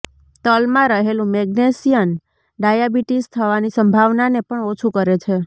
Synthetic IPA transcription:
t̪əlmãɾəɦelũmɛɡnesijən | ɖajabiʈist̪ʰəʋanisəmbʱaʋnanepəɳot͡ʃʰukəɾet͡ʃʰe

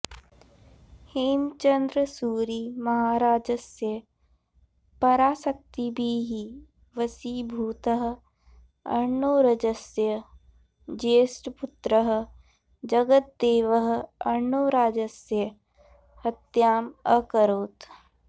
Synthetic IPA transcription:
himt͡ʃə̃nd̪ɾəsuːɾiːmɐɦaːɾaːd͡ʒəsjə | pɐɾaːsək̚t̪ibʱiɦi | ʋəsiːbʱuːt̪əɦ | ɐ̰ɾnoːɾəd͡ʒəsjə | d͡ʒeːsʈpʊt̪ɾəɦ | d͡ʒəɡət̪̚d̪eːʋəɦɐɾɳoːɾaːd͡ʒəsjə | hɐt̪jaːməkəɾoːt̪

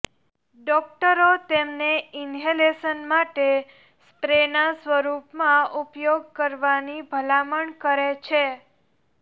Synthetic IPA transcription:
ɖɔk̚ʈəɾot̪emneɪnɦelesənmaʈe | spɾenasʋəɾupmãupjoɡ̚kəɾʋanibʱəlaməɳkəɾet͡ʃʰe

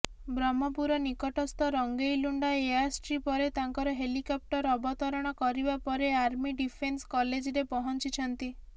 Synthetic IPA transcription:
bɾɔmɔpuɾɔnikɔʈɔst̪ɔɾɔŋɡejluɳɖaeasʈɾipɔɾet̪aŋkɔɾɔɦelikɔp̚ʈɔɾɔbɔt̪ɔɾɔɽ̃ɔkɔɾibapɔɾeaɾmiɖipʰenskɔled͡ʒɾepɔɦɔnt͡ʃit͡ʃʰɔnt̪i

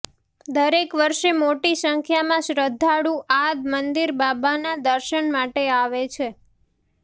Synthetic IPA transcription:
d̪əɾekʋəɾʃemoʈisəŋkʰjamãʃɾəd̪ʱːaɽũʔad̪mənd̪iɾbabanad̪əɾʃəɳmaʈeaʋet͡ʃʰe

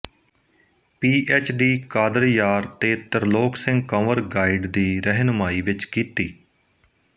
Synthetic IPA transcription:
piːʔɛːt͡ʃɖiːkaːd̪əɾjaːɾt̪eːt̪əɾloːksɪ̃ŋɡkəməɾɡaːiːɖd̪iːɾɛɦnmaːiːʋɪt͡ʃkiːt̪iː

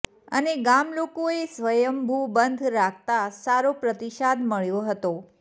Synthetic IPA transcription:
ə̰neɡamlokoesʋəjəmbʱubənd̪ʱɾakʰt̪asaɾopɾət̪iʃad̪ʱməɭjoɦət̪o

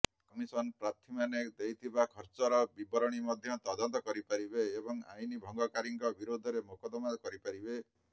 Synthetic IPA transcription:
kɔmisɔnpɾat̪ʰimaned̪ejt̪ʰibakʰɔɾt͡ʃɔɾɔbibɔɾɔɽ̃imɔd̪ʱjɔt̪ɔd̪ɔnt̪ɔkɔɾipaɾibeːbɔŋa̰jnibʱɔŋɡɔkaɾiŋkɔbiɾod̪ʱɔɾemokɔd̪ɔmad̪ɔkɔɾipaɾibe

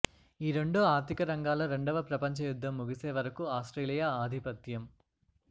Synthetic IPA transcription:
iːɾe̞ɳɖoːaːɾt̪ʰikɐɾɐŋɡaːlɐɾe̞ɳɖɐʋɐpɾɐpɐɲt͡ʃɐjud̪ʱːɐmːuɡiseːʋɐɾɐkuaːsʈɾeːlijaaːd̪ʱipɐt̪jɐm

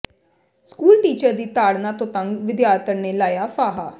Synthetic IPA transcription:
skuːlʈiːt͡ʃəɾd̪iːt̪aːɽnãːt̪õːt̪əŋɡʋɪd̪jaːɾt̪əɾneːlaːjaːfʰaːɦaː

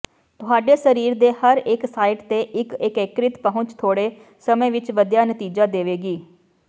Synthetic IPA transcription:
t̪ʊɦaːɖeːsəɾiːɾd̪eːhəɾɪksaːɪʈt̪eːʔɪkɪkekɾɪt̪pəɦʊ̃t͡ʃt̪ʰoːɽeː | səmẽːʋɪt͡ʃʋəd̪jaːnət̪iːd͡ʒaːd̪eːʋeːɡiː

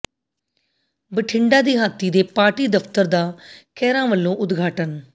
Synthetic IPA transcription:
bəʈʰɪɳɖaːd̪iːɦaːt̪ʰːiːd̪eːpaːʈiːd̪əpt̪əɾd̪aːkɛːɾãːʋəlːõːʔʊd̪ɡʱaːʈən

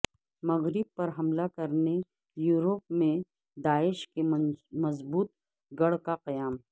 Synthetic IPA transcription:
mɐɣɾɪb̚pɐɾɦɐmlakɐɾne | juːɾop̚mẽ | d̪aːɪʃkemɐzbuːt̪̚ | ɡɐɽkaqɐjaːm

